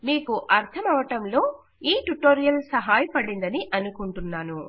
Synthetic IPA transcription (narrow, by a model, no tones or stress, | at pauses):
miːkuʔɐɾt̪ʰɐmɐʋɐʈɐmlo̞ː | iːʈuʈoːɾijɐlsɐɦaːjɐpɐɽind̪ɐniʔɐnukuɳʈunːaːnu